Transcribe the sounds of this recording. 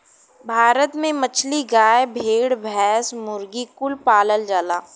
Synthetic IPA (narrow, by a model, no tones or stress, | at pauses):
bʱaːɾət̪mẽmət͡ʃʰliɡaːjbʱeːɽbʱɛːsmʊɾɡikʊlpaːləld͡ʒaːlaː